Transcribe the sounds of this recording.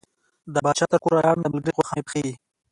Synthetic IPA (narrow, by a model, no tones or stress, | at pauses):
d̪əbɑːʃɑt̪əɾkoɾɑjɑnd̪əməlɡəɾiqoxɑmepxei